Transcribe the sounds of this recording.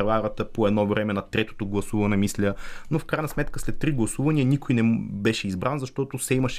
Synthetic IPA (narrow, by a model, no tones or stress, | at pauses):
ɾvaɾət̪əpoɛd̪nɔvɾɛmɛnɐt̪ɾɛt̪o̥t̪oɡlˠɐsuvɐnɛmislʲənofkɾajnɐsmɛt̪kəslɛt̪ːɾiɡlˠɐsuvɐniənikojnɛbɛʃɛizbɾanzɐʃt̪ɔt̪ʊsɛimɐʃɛ